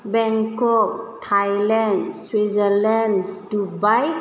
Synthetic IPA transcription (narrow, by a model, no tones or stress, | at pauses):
bɛ̃ŋkɔk̚tʰajlɛ̃nswizəlɛ̃ndubaj